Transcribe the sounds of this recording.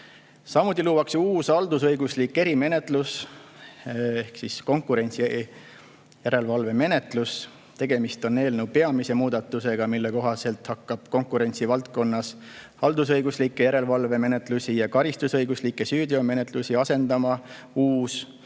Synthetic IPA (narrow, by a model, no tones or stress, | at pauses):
sɑmut̪ːˑiluːwɑksuːsɑld̪usɤjɡuslikːe̞ɾime̞ne̞t̪ˑlus | ehksisko̞ŋkuɾe̞nʲt̪si | jæɾe̞lvɑlve̞me̞ne̞t̪ˑlus | t̪e̞ɡ̥e̞mist̪o̞nːe̞ːlnewpe̞ɑmise̞muːd̪̥ɑt̪ːuse̞ɡ̥ɑmilːe̞ko̞ɦɑse̞lt̪hɑkːɑb̥ko̞ŋkˑuɾe̞nʲt̪sivɑlt̪̚ko̞nːɑs | ɑld̪̥usɤjɡ̥uslikːˑejæɾe̞lvɑlve̞me̞ne̞t̪ˑlusijɑkɑɾist̪usɤjɡuslikːˑe̞syːd̪iome̞ne̞t̪ˑlusiɑse̞nd̪ɑmɑuːs